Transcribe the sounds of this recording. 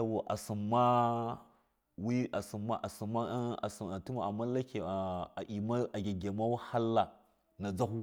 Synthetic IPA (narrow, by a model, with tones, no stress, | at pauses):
a˨wu˨ʔa̰˨su˨mːa˦ | wi˦a˨si˨mːa˦ʔa˨si˨ma˦a̰˨si˨a˨ti˦ma˨a˨mːa˦la˦ke˨i˨ma˦a˨ɡʲe˨ɡe˨ma˦wa˦ha˦lːa˨ | na˨d͡za˦hu˦